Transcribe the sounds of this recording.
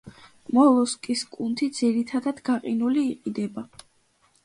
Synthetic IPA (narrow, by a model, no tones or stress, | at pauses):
mɔlˠɔskʼiskʼunt̪ʰid̪ziɾit̪ʰad̪ad̪ɡaqʼinuliːqʼid̪ɛba